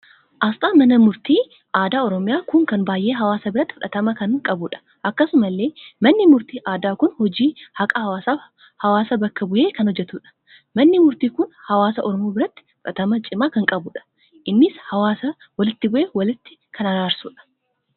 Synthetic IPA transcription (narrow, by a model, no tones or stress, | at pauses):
ʔɐst̪ʼaːmɐnɐmʊɾt̪iː | aːd̪aːɔɾɔmɪjaːkʊŋkɐnbaːjʔeːɦɐwaːsɐbɪɾɐt̪ːɪ̥fʊᶑɐt̪ɐmɐkɐŋkʼɐbuːᶑɐ̥ | ʔɐkːɐsʊmɐlːe̞ːmɐnːɪmʊɾt̪iːʔaːd̪aːkʊnhɔd͡ʒiːhɐkʼɐhɐwaːsaː | hɐwaːsɐbɐkːɐbʊjeːkɐnhɔd͡ʒːɛt̪uːᶑɐ̥ | mɐnːɪmʊɾt̪iːkʊnhɐwaːsɐʔɔɾɔmoːbɪɾɐt̪ːɪ̥fʊᶑɐt̪ɐmɐt͡ʃʼɪmaːkɐŋkʼɐbuːᶑɐ̥ | ʔɪnːɪshɐwaːsɐ | wɐlɪt̪ːɪbʊʔeːwɐlɪt̪ːɪ̥kʰɐnɐɾaːɾsṵːᶑɐ̥